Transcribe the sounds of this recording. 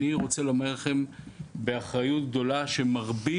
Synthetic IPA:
iʁo̞t͡selomadlaχe̞mbe̞aχʁajut̪̚ɡ̚d̪o̞laʃe̞maʁbi

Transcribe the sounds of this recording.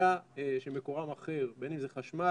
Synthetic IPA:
aeʃemekoʁamaχeʁbenimzeχaʃma

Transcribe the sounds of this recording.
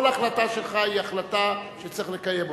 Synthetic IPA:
olaːχlat̪aʃelχaiaχlat̪aʃet͡siχlekajemb

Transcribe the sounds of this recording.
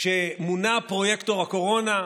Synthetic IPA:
ʃemunapʁojekt̪oʁhako̞ʁo̞na

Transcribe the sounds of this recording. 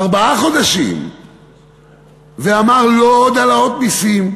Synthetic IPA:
aʁbaaχo̞d̪aʃḭm | veamaʁlood̪alaot̪̚nisim

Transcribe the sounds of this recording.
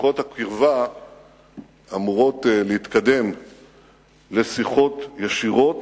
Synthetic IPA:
χo̞thakiʁva | amuʁo̞tlehit̪kad̪e̞m | le̞siχo̞tjaʃiʁo̞t

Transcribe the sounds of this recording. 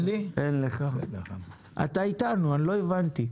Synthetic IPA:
lienleχa | ʔa̰t̪ait̪anuanilo̞evant̪i

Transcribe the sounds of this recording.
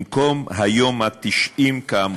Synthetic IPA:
mkomɦajo̞mhat̪iʃʔimkaam

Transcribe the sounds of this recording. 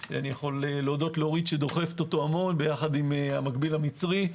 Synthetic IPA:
anijaχo̞leleodo̞tleoʁid̪ʃed̪o̞χe̞ft̪ot̪o̞amo̞nbejaχad̪imamakbilamit͡sʁi

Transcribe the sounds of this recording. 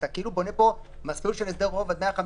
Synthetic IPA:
t̪akeilubo̞nepo̞ | masulʃelesd̪eʁʁovad̪meaχam

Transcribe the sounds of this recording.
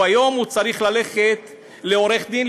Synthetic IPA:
ajo̞mhut͡saɾiχlaleχet̪ | le̞o̞ɾe̞χd̪in

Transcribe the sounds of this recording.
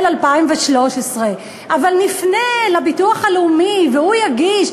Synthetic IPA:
lalpaimveʃlo̞ʃesʁe | ʔavalnifnelabituaχaleumiveujaɡiʃ

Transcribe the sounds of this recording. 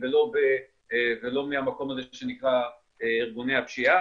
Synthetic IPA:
velo̞be | velo̞mihamako̞mazeʃenikʁa | eiʁɡunejapʃia

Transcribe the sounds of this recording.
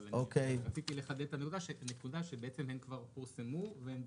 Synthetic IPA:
leokejat͡sit̪ileχad̪ed̪t̪anekud̪aʃene̞kud̪aʃe̞beet͡semhenkvaʁpiʁsemuvehen

